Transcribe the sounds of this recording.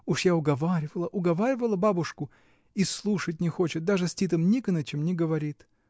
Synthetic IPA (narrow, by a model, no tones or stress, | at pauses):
uʂjaʊɡɐvaɾʲɪvəlˠəʔʊɡɐvaɾʲɪvəlˠəbabʊʂkʊ | islˠuʂət̬̚ʲnʲɪxo̞t͡ɕɪt̪̚d̪aʐɨsʲtʲit̪əmnʲikənət͡ɕɪmnʲɪɡəvɐɾʲit̪